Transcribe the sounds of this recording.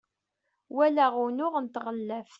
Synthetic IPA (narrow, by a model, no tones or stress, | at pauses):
wælæʁunʊʁənt̪ʁəlːæf